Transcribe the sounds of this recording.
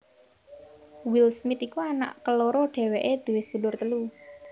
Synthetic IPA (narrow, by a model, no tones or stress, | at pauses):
wilsmit̪ikuana̰ʔkəloɾɔɖ̥e̤weʔed̪̥uwɪst̪ulʊrt̪əlu